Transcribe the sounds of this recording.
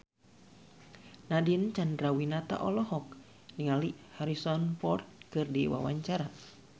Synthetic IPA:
nadint͡ʃandɾawinat̪a̰ʔɔlɔhɔk̚ | niŋalihaɾisɔnpɔrt̪̚kɨrdiwa̰waɲt͡ʃaɾa

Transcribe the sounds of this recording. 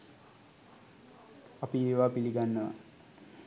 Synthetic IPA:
apieːʋapiliɡanːəʋa̰

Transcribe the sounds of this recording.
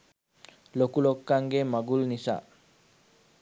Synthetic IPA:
lokulokːaŋɡemaɡulnisa̰ː

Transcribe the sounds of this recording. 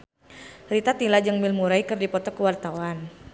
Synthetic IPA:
rit̪at̪ilad͡ʒəŋmilmuɾaikɨrdipɔt̪ɔkəwart̪awan

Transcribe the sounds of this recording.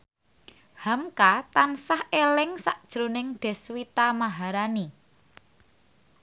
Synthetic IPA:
hamkat̪ansahelɪŋsaʔd̥ʒ̥ɾonɪŋɖ̪̥ɛ̤swit̪amaɦaɾani

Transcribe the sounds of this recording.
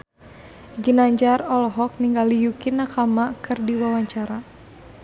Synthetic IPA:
ɡinaɲd͡ʒarɔlɔɦɔk̚niŋɡalijukinakamakɨrdiwawaɲt͡ʃaɾa

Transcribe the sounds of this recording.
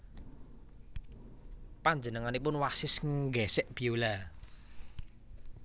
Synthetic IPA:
paɲd͡ʒənəŋanipʊnwasɪsŋɡɛsɛʔb̥iula

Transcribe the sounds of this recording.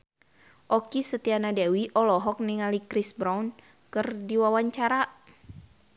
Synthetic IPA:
ʔɔkisət̪ianadawiʔɔlɔɦɔk̚niŋalikɾisbɾaun | kɨrdiwawaɲt͡ʃaɾa

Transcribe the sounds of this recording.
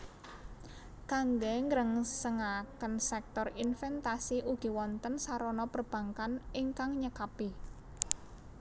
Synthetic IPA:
kaŋɡɛŋəɾəŋsəŋakənsɛk̚t̪ɔrinfɛnt̪asiʔuɡ̥i̤wɔnt̪ənsaɾɔnɔpərb̥a̤ŋkaniŋkaŋɲəkapi

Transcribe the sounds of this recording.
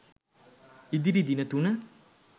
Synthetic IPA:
id̪iɾid̪inɐt̪unə

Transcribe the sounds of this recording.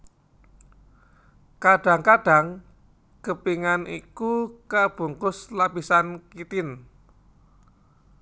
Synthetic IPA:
kaɖ̥a̤ŋkaɖ̥a̤ŋ | kəpiŋanikukab̥ṳŋkʊslapisankit̪ɪn

